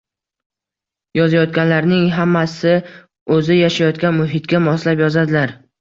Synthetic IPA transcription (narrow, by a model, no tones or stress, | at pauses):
jɒzajɒt̪̚kʲanlaɾnɪŋɦamːasɪ | ɵzɪjaʃajɒt̪kʲanmʊɦɪt̪kʲamɒslapjɒzad̪ɪlaɾ